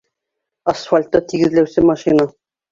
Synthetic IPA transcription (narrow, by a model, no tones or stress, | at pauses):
ɐsfalʲt̪ːɑt̪iɡɘ̆ðlæwsɘmaʃina